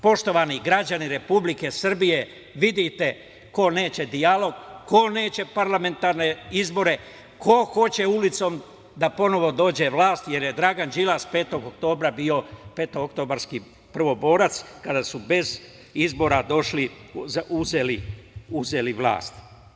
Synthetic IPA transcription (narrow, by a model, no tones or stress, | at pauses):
po̞ʃt̪o̞ʋaniɡɾad͡ʑaniɾe̞publike̞sr̩bije̞ | ʋid̪it̪e̞ | ko̞ne̞ːt͡ɕe̞d̪ialo̞ɡko̞ne̞ːt͡ɕe̞paɾlame̞nt̪aɾne̞izbo̞ɾe̞ | kʰo̞xo̞t͡ɕe̞ulit̪so̞ːm | d̪apo̞no̞ʋo̞d̪o̞ːd͡ʑe̞ʋlaːst̪je̞ɾje̞d̪ɾaɡand͡ʒilaspe̞ːt̪o̞ɡokt̪o̞ːbɾabio̞pe̞ːt̪oɡokt̪o̞baɾski | pr̩ʋo̞bo̞ːɾat̪skad̪asube̞z | izbo̞ɾad̪o̞ʃlizuzeliuze̞liʋlˠa̰ːst̪